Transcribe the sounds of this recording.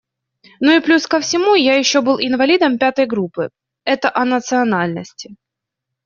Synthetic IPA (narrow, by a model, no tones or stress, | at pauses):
nuɪplʲuskəfsʲɪmujajɪɕːobɨlˠɪnvɐlʲid̪əmpʲat̪əjɡɾupːɨ | ɛt̪əʔɐnət̪sɨɐnalʲnəsʲtʲɪ̥